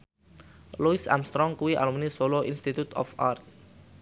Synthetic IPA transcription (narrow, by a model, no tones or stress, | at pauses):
luisa̰mst̪ɾɔŋkuwiʔa̰lumnisoloʔinst̪it̪ut̪ɔ̰fa̰rt̪̚